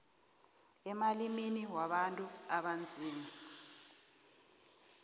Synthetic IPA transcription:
ɛmaliminiwaɓantʼuaɓand͡zʱiːmi

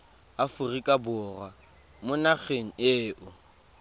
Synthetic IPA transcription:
afʊrikʼabʊːrwa | mʊnak͡xʰeŋ̩eːʔʊ

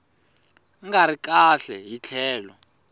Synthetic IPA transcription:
ŋɡaɾikaɬɛjit͡ɬʰɛːlɔ

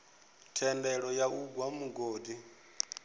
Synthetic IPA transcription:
tʰɛndɛɺɔjauɡwamuɡoːdi

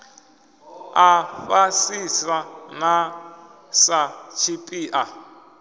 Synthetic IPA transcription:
afasisana | sat͡ʃʰipʼiːʔa

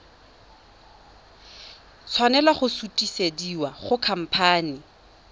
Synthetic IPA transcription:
t͡sʰwanɛlwaχʊsutʼisediwaχʊkʰam̩pʰaːni

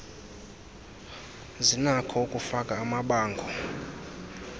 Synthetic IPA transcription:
zinakʰɔukʼufakʼaːmaɓaːŋɡʱɔ

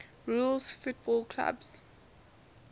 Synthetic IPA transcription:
ɹulsfut̚bɔlkʰla̰bs

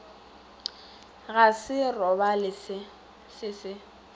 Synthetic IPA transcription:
ɣasɪrɔbalɪsɪ | sɪsɪ

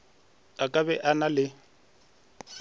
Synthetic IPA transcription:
akʼabɛʔanalɪ

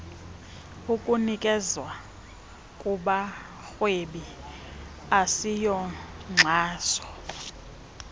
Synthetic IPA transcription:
ukʼunikʼɛzwa | kʼuɓa | xweɓi | asijɔŋ͡ǁʱaːsɔ̥

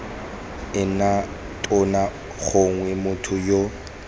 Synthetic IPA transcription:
ɪna | tʼʊna | ɣoŋwɛmʊtʰʊjo

